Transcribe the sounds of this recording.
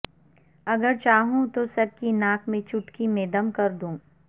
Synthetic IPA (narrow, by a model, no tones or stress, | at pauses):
ɐɡəɾt͡ʃaːɦũt̪osɐb̚kinaːkʰmẽt͡ʃʊʈkimẽːd̪əmkɐɾd̪ũː